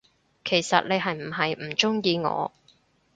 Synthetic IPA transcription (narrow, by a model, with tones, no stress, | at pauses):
kʰe˨˩jsɐ̰˨t̚ne˨˧jɦɐ˨jm̩˨˩ɦɐ˨jm̩˨˩t͡ʃʊ˥ŋjiː˧ŋɔ̰ː˨˧